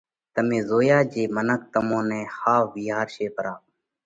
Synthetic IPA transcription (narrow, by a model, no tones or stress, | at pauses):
t̪əmẽːzoːjaːd͡ʒeːmənək̚t̪əmõːnɛ̃ːxaːfʋiːɦaːɾʃeːpəɾaː